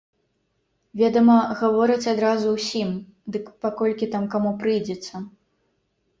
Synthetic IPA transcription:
vʲɛd̪ɐmɐɣavɔɾɨt͡sʲad̪ɾazuwsʲim | d̪ɨkpakɔlʲkʲit̪amkamupɾɨjd͡zʲɛt̪sːɐ

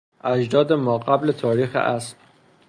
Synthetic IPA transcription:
ʔæd͡ʒd̪ɒːd̪emɒːɢæblet̪ʰɒːɾiːxḛʔæs

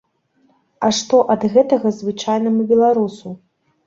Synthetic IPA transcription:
ɐʂt̪ɔʔɐd̪ɣɛt̪ɐɣɐzvɨt͡ʂajnɐmubʲɛlˠaɾusu

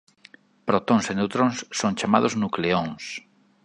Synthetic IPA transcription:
pɾot̪oŋsenewt̪ɾõŋsːõŋt͡ʃama̰ðoznukleõŋs

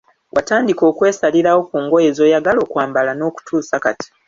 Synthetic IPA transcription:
wʔataːndiko̞ːkwe̞ːsaliɾawo̞kuːŋɡo̞je̞zo̞ːjaɡalo̞ːkwaːmbalano̞ːku̥tʰuːsakati̥

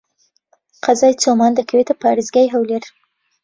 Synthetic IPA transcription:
qazɑjt͡somɑnd̪əkwet̪apɑɾizɡajɦawleɾ

